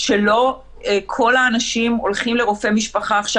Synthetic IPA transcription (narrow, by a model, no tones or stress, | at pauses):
ʃelo̞ | ekʰo̞laːnaʃimo̞lχimle̞ʁo̞fe̞miʃpaχaːχʃa